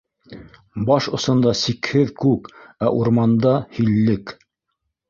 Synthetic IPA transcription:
bɑʃŏsɤ̆nd̪ɑsikhɘðkʉkæʔuɾmɑnd̪ɑhilːɘk

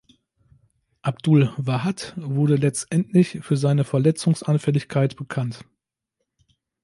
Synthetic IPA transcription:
ʔabd̥ʊlvaɦatvʊɐdəlɛt͡stʔɛntlɪçfyːɐzaɪnəfɛɐlɛt͡sʊŋsʔanfɛlɪçkʰaɪtb̥əkʰant

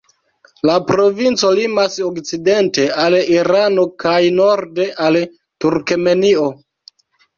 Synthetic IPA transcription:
lapɾo̞vint͡so̞limasokt͡side̞nte̞aliɾano̞kajnoɾde̞ʔal | tuɾkeme̞nio̞

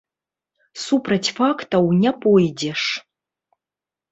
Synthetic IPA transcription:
supʰrɐtʲʰfaktʰɐwnʲɐpʰʼojdeʂ

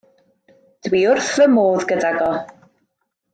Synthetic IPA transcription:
d̥wiːʊrθəmoːðɡədaɡɔ

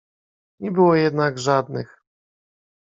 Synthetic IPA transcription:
ɲɛbɘwɔjɛd̪naɡʐad̪nɘx

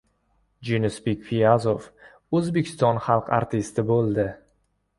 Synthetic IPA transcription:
d͡ʒinɪsbekʲfiazof | ɵzbekʲʰɪ̥st̪ɒnχɑlˠqa̰ɾt̪ʰɪst̪ɪbolˠd̪ɪ

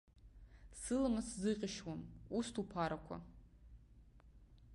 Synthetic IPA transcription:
sɨlamaszɨqʲʼɪʃwamustʰupʰaɾakʷʰa̰

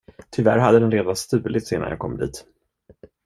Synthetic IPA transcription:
t̪ʰʏvæ̰ɾɦad̪ːəd̪ɛnɾeːd̪anst̪ʉ̟ːlɪt̪seːna̰nja̰ːkʰɔ̰mːd̪ḭːt̪

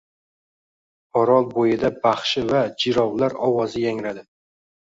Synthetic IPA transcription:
ɒɾɒlˠbojɪd̪abaχʃɪvad͡ʒɪɾɒwlaɾɒwɒzɪjaŋɾad̪ɪ

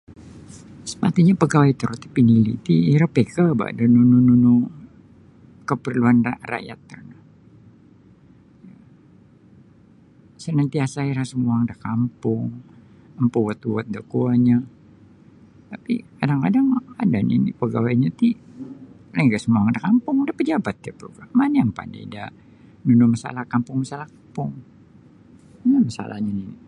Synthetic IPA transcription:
sə̥pat̪iɲapəɡawait̪əɾut̪i̥pinilit̪iɾapekaba̰ʔdanunununu | kəpərluanra̰ra̰ja̰t̪ːərna | ja | sənant̪iasaiɾasəmuaŋdahkampʊŋ | əmpuwat̪uat̪̚dakuaɲa | t̪apḭkadaŋkadaŋadanḭnḭpəɡawaiɲat̪i | laŋɡasəmuaŋdakampʊŋdapəd͡ʒabat̪̚d͡ʒapɾṵkamaniəmpa̰nḭda | nunumasa̰lahkampʊŋmasalahkapʊŋ | namasa̰la̰hɲanini

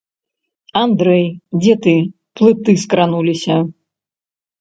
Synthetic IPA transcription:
and̪ɾɛjd͡zʲɛt̪ɨ | plˠɨt̪ɨskɾanulʲisʲɐ

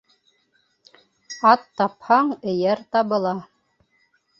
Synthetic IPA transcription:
ɑt̪ːɑphɑɴɘ̆jæɾt̪ɑβɤ̆lˠɑ

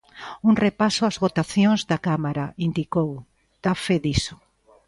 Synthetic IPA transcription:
uŋrepasʊazβot̪aθjõŋzðɐkamaɾɐind̪ikow | d̪̥afeðisʊ̥

